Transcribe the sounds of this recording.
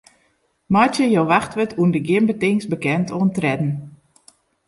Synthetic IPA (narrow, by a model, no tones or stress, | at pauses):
mɔjtjəjowʋaxtʋətʰundəɡɪmbətɪŋsbəkɛntʰoəntrɛdn̩